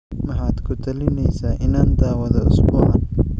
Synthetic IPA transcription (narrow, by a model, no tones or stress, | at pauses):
mɐħaːd̪kʰʊt̪ʰɐlɪnɛjsaːʔɪnaːnd̪aːwɐðɐʊsbʊːʕan